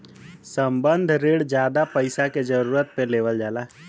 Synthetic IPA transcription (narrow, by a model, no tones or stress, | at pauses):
səmbənd̪ʱɾeːɽd͡ʒjaːd̪apəɪsaked͡ʒəɾuːɾət̪̚peleːʋəld͡ʒaːlaː